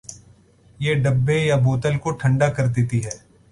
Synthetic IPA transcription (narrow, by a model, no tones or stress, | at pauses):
jeːɖɐbːejaboːt̪əlkoʈʰɐ̃ɳɖakɐɾd̪eːt̪iɦɛː